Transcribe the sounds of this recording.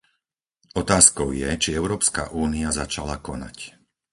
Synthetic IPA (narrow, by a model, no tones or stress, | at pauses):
ɔt̪aːskɔʊjɛt͡ʃiɛʊɾɔːpska̰ʔuːniazat͡ʃalakɔna̰c